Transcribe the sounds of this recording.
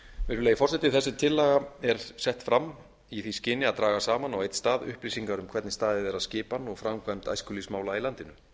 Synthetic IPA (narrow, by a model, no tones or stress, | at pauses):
veɾʏleːjɪfɔrsɛt̪ɪθɛsːɪt̪ʰɪlːɛɣaɛɾ̥sɛht̪fɾam | iθviscɪːnːɪaðt̪ɾaːɣasaːmanawejt̪st̪aːðʏ̰hplisiŋkaɾʏmkʰvɛɾt̪nɪst̪aːðɪðɛɾaðscɪːpanːɔɣfɾamkʰvajmt̪a̰jskʏlismaːwlailant̪ɪnʏ